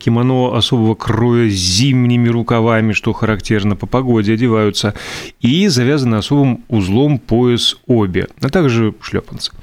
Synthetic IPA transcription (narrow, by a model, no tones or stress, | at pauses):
kʲɪmɐnoasobəvəkrojəzʲimnʲɪmʲɪɾʊkavamʲɪʂt̪oxəɾaktʲernəpəpɐɡo̞dʲɪɐdʲɪvajʊt̪səizɐvʲazənɨaso̞bɨmʊzlˠompoɪsobʲɪ̰at̪aɡʐɨʂlʲo̰pənt̪sɨ̥